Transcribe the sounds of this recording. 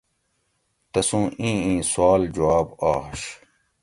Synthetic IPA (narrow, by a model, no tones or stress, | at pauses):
t̪ɐsũːʔĩːĩːswaːld͡ʑuaːbaːɕ